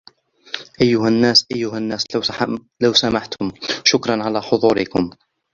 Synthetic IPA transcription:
ʔajːʊhanːaːsʔajːʊɦanːaːs | lawsamaħt̪ʰʊmʃʊkɾˤɑnʕalaːħʊðˤuːɾɪkʊm

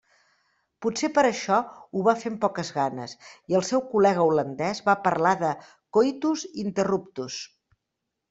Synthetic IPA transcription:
putsepəɾəʃɔuβafempɔkəzɣanə̰siəlˠsɛwkulɛɣ̞əulənd̪ɛzβapəɾlaðə | kojt̪uzint̪ərupt̪us

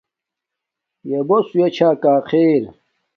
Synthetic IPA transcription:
jebosujet͡ɕʰaːkaːqʰeːɾ

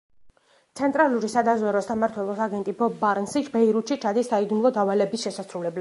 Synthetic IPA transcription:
t̪sʰɛnt̪ʼɾalˠuɾisad̪azwɛɾɔsamaɾt̪ʰwɛlˠɔsaɡɛnt̪ʼibɔbbaɾnsit͡ʃbɛiɾut̪ʃit͡ʃʰad̪isːaid̪umlˠɔd̪avalɛbisʃɛsasɾulɛbla

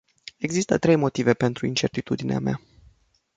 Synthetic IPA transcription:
e̞ɡzist̪ət̪ɾe̞jmo̞t̪ive̞pe̞nt̪ɾuint͡ʃe̞rt̪it̪ud̪inea̰mea̰

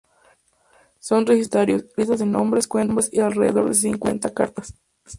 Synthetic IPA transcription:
so̞nrexist̪aɾjoslist̪azðenõmbɾeskweɾbɾesialreðḛðo̞ɾðes̬iŋkwe̞̰nt̪aka̰ɾt̪as

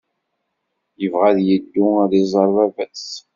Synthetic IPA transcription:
jəvʁæðjəd̪ːuæðizˤɑɾˤvævæs

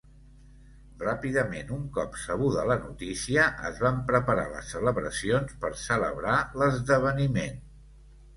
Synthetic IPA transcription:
rapiðəmenuŋkɔpsəɣ̞uðələnut̪isiəʔə̰zβampɾəpəɾa̰lə̰sːələβɾəsionspəɾsələ̰βɾaləzðəβ̞ənimen

